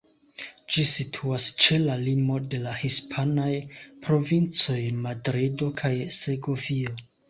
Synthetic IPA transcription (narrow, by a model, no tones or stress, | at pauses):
d͡ʒisitʰuast͡ʃe̞lalimo̞de̞lahispʰanajpɾo̞vint͡so̞jmadɾido̞kʰajz̥e̞ɡo̞vio̞